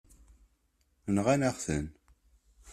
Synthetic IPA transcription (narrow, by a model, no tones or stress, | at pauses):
nʁænæχθə̰n